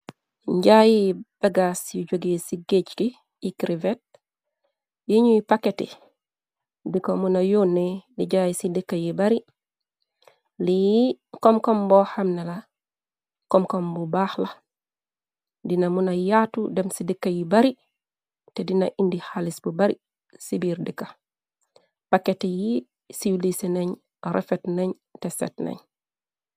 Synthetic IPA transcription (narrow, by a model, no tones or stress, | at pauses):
ɲɟajib̥aɡasjuɟoɡesiɡet͡ʃki | ikɾivet̚ | jiɲujipaketḭ | dikomunajonːediɟajisidəkːajibaɾi | likɔmkɔmbɔhamnela | komkombubaːxla | dinamunajatudemsidikːajibaɾi | tedina̰ʔindihalisbubaɾḭ | sibiːɾdikːa | pakːeteji | siwliseneɲ | ɾʔḛfetneɲ | tesḛtnḛɲ